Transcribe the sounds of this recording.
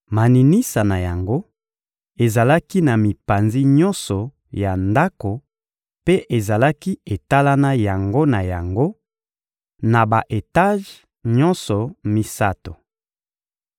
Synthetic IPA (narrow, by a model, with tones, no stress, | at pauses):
ma˨ni˨ni˦sa˨na˨ja˨ŋɡo˦ | e˨za˨la˦ki˦na˨mi˨pa˨nzi˦ɲɔ˦nsɔ˨ | ja˨nda˦ko˨ | pe˦ʔe˨za˨la˦ki˦e˨ta˦la˦na˦ja˨ŋɡo˦na˨ja˨ŋɡo˦ | na˨ba˨ʔe˨ta˦ʒ | ɲɔ˦nsɔ˨mi˦sa˦to˨